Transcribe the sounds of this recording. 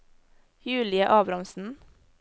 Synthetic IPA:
jʉːlɪəʔɑːbɾɑmsn̩

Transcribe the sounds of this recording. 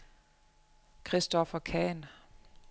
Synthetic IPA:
kʰʁisd̥ɒfɐkʰɛːn

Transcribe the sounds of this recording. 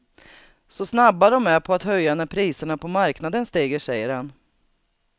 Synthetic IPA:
sɔsnabːad̪ɔmæɾpʰɔat̪hœjːanæɾpʰɾiːsəɳapʰɔmaɾknad̪ənst̪eːɡəʂɛjːəɾhan

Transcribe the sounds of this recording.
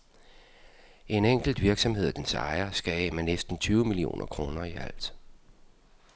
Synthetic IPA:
ʔe̝neŋ̰ɡ̥l̩d̥ʋiɐɡ̥sɒ̽mhe̝ð̞̰ˠd̥ensɑ̈ɪɐsɡ̥æɛmænesd̥n̩t͡sʰyːʊmilio̝̰ːnʔɐkʰʁo̝ːnɐiæl̰d̥

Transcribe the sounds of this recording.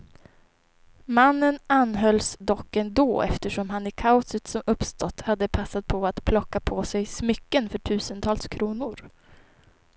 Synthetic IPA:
manːənanɦœlsd̪ɔkːɛnd̪oːɛ̰ft̪əʂɔmɦanɪkʰaʊsət̪sɔmɵpst̪ɔt̪ːhad̪ːəpʰasːat̪̚pʰɔat̪pʰlɔkːapʰɔsɛjsmʏkːənfœʈʰʉ̟ːsənt̪ʰɑːlskʰɾuːnʊɾ

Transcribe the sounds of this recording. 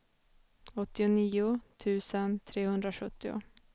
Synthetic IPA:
ɔt̪ːɪʊniːʊt̪ʰʉ̟ːsənt̪ʰɾeːhɵnd̪ɾaɧɵt̪ːɪʊ̰

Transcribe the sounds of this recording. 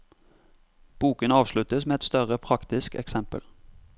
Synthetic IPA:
b̥uːkənɑːʋʃlʉt̪əsmeːɛt̪st̪œʁəpʰʁɑkt̪ɪskɛ̰ksɛmpə̰l

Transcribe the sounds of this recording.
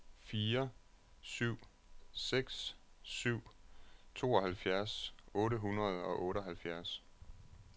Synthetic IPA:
fiːɐ | syʊ̰ | seɡ̥s | syʊ̰t͡sʰo̝ːɒ̽hælfjæɐsɔ̽ːɾəɦunʁɐð̞̩ˠɒ̽ʔɔ̽ːɾəɦælfjæɐs

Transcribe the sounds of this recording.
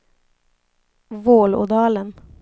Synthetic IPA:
ʋoːlo̰ːd̪ɑːlən

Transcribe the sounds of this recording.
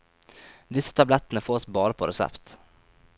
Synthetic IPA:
d̪ɪsːə̥t̪ʰablɛt̪ːənəfoːɔsbɑːɾapʰɔɾɛsɛ̰pt̪

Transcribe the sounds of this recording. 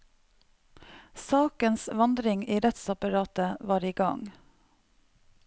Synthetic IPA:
sɑːkənsʋɑnd̪ɾɪŋiːɾɛt̪sɑpɑɾɑːt̪əʋɑːɾiːɡɑ̰ŋ

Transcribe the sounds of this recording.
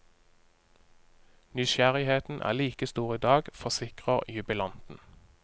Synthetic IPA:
nʏʃæʁɪheːt̪n̩ʔæ̰ːʁliːkəst̪uːʁiːd̪ɑːɡfɔʁsɪkʁəʁjʉbɪlɑnt̪n̩

